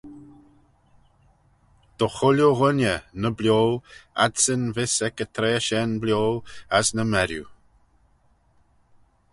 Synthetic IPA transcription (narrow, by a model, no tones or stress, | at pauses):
d̪̥əxʊlʲjoɣʊnənəblʲjoːa̰dsənvɪsɛkət̪ʰɾeːʃɛnblʲjoːəsnəmɛɾjṵ